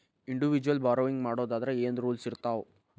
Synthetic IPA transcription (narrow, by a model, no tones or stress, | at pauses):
iɳɖiʋid͡ʒuʋɐlbaːɾoːʋiŋɡmaːɽo̞ːd̪aːd̪ɐɾeeːnd̪ɾuːlsiɾt̪aːʋ